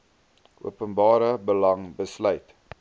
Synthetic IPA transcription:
ʔuəpənbɑːɾəbəlɐŋbəslœɥt

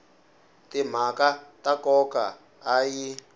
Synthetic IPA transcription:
tim̤akatakɔkaː | ji

